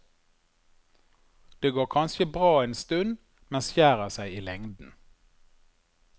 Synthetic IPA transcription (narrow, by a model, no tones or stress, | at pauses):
d̪̥eːɡoːʁkʰɑnʃəbʁɑːeːnst̪ʉn | mɛnsçjæːʁəsæɪiːlɛŋd̪n̩